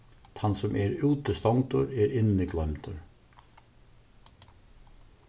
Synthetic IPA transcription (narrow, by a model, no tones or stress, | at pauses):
t̪ʰɑnsɔmʔɛɾʉːt̪əst̪ɔŋt̪ʊɾɛːɾɪnːɪɡlœmt̪ʊɾ